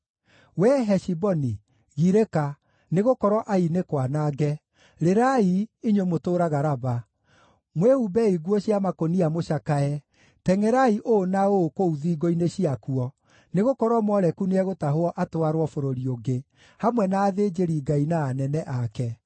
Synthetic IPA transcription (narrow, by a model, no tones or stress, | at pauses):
wɛɦɛʃibɔni | ɣiɾeka | neɣokɔɾɔʔainekwanaɡɛ | ɾeɾaiiɲwemotoːɾaɣaɾaba | mwehubɛiɡwɔɕiamakoniamoʃakaɛ | tɛŋɛɾaiʔonaokouðiɡoineɕiakuɔ | neɣokɔɾwɔmɔɾɛkuneɛɣotaɦoɔʔatoaɾwɔfoɾoɾioɡe | hamwɛnaːðed͡ʒeɾiɡainaːnɛnɛʔakɛ